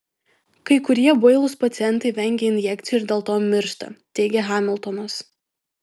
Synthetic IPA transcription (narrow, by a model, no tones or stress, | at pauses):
kɐɪkʊɾʲiɛboɔɪlˠʊspɐt̪sʲɪɛnˑt̪ɐɪʋʲɛŋʲɡʲɛɪnʲjɛkʲt̪sʲɪjuɪɾd̪ʲeːlˠt̪oːmʲɪɾʃt̪ɐ̰t̪ʲɛɪɡʲɛɦɑːmʲɪlˠˑt̪ɔnos